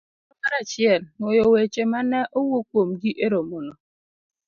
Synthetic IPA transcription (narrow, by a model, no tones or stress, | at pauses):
okaɾat͡ʃjɛlojowet͡ʃemanɛʔowokwomɡiʔeɾomono